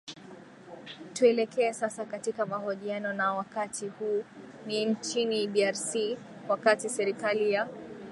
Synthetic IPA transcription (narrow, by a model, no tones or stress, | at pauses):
tuɛlɛkɛːsasakatikamahɔʄianɔnawakatʰihuːnint͡ʃiniɗiaɾsi | wakatisɛɾikalija